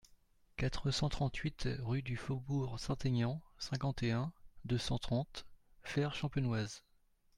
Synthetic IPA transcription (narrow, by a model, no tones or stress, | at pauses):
kat̪χəsɑ̃t̪χɑ̃t̪ʰɥit̪ʁyd̪yfobuʁsɛ̃t̪eɲɑ̃sɛ̃kɑ̃t̪eɛ̃d̪øsɑ̃t̪χɑ̃t̪fɛʁʃɑ̃pjɔnwaz